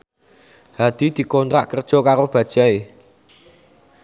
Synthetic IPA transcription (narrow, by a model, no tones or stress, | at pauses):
had̪̥i̤d̪̥i̤kɔnt̪ɾaʔkərd̥ʒ̥ɔ̤kaɾob̥a̤d̥ʒ̥a̤e